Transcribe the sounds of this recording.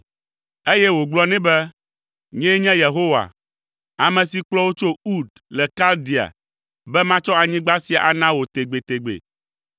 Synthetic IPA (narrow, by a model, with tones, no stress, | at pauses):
e˦jɛ˦wo˨ɡ͡blɔ˦nɛ̃˦bɛ˦ | ɲɛ̃˦ɲɛ̃˦je˨ɦo˦wa̰˨ | a˨mɛ̃˨si˨k͡plɔ˦wo˦t͡ʃo˦u˦d̪ | lɛ˨ka˦ld̪i˨a̰˨ | bɛ˦mã˦t͡ʃɔ˦a˨ɲĩ˦ɡ͡ba˦si˦a˨ʔa˨nã˦wo˨t̪e˨ɡ͡be˨t̪e˨ɡ͡bḛ˨